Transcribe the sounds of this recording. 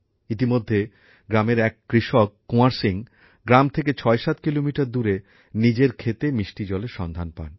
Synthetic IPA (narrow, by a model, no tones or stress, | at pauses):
it̪imod̪ʱːe | ɡɾameɾɛkːɾiʃokːuaɾsiŋ | ɡɾamt̪ʰeket͡ɕʰɔeʃat̪kilomiʈaɾd̪uɾe | nid͡ʑeɾkʰet̪emiʃʈid͡ʑɔleʃɔnd̪ʱanpa̰n